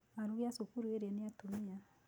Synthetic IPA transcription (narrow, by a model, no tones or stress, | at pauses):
aɾuɣeasokuɾueɾaneatomea